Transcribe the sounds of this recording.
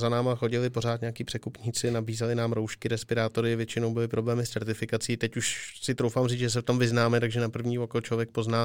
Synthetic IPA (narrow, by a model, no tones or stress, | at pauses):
zanaːmaxo̞ɟɪlɪpo̞ɾ̝aːt̪ɲɛakiːpr̥ɛkupɲiːt͡sɪnabiːzalɪnaːmɾowʃkɪɾɛspɪɾaːt̪o̞ɾɪvjɛt͡ʃɪno̞wbɪlɪpɾo̞blɛːmɪst͡sɛɾt̪ɪfɪkat͡siːt̪ɛcuʃsɪt̪ɾowfaːmriːt͡sʒɛs̬ɛft̪omvɪznaːmɛt̪aɡʒɛnapr̩vɲiːvokolt͡ʃovjɛk̚po̞znaː